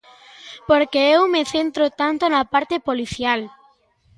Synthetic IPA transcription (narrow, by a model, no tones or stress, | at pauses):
poɾkeewmeθent̪ɾot̪ant̪onapaɾt̪epoliθjal